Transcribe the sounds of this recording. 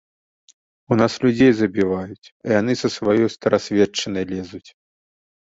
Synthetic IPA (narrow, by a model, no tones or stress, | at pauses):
unaslʲud͡zʲejzɐbʲivajut͡sʲijan̪ɨsɐsvajɔjst̪ɐɾasʲvʲɛt͡ʂːɐnɐjlʲɛzut͡sʲ